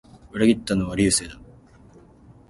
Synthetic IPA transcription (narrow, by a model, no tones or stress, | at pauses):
ɯɾaɡʲit̪ːanoβaɾʲiːseːd̪a